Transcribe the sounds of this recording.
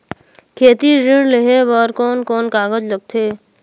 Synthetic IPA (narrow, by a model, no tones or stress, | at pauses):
kʰeːt̪iɾɪɽlɪɦebəɾkɔːnkoːnkaːɡəd͡ʒləɡ̚t̪ʰeː